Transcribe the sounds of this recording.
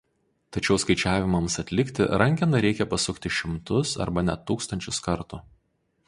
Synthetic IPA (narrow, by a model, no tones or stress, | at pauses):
t̪ɐt͡ʃʲɛʊskɐɪt͡ʃʲæːʋʲɪmɐmsɐt̪ʲlʲɪkʲt̪ʲɪ̰ɾɐŋʲkʲɪnɐɾʲɛɪkʲɛpɐsʊkt̪ʲɪʃʲɪmt̪ʊsɐ̰ɾbɐnʲɛt̪uːkst̪ɐnʲt͡ʃʲʊskɐɾt̪u